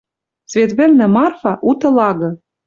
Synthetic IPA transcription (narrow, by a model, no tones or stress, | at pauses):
svʲet̪βɘ̆lnɘ̆mɑrfɑʔut̪ɤ̆lɑɣɤ̆